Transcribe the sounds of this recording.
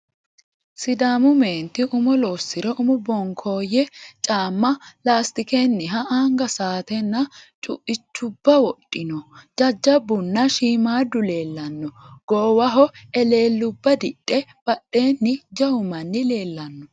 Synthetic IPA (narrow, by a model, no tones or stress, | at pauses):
sɪd̪aːmʊmeːnt̪ɪʔʊmɔloːsːɪɾɛʔʊmʊbɔŋkʰoːjɛt͡ʃʼaːmːɐlaːst̪ɪkenːɪɦɐʔaːŋɡɐsaːt̪ɛnːɐt͡ʃʼʊ̰ʔɪt͡ʃːʊbːɐwɔɗʼːɪnɔd͡ʒɐd͡ʒːɐbːʊnːɐʃiːmaːd̪ʊle̞ːlːɐnːɔɡ̥oːwɐɦɔɛle̞ːlːʊbːɐd̪ɪɗʼːɛb̥ɐɗːe̞ːnːɪd͡ʒɐhʊmɐnːɪle̞ːlːɐnːɔ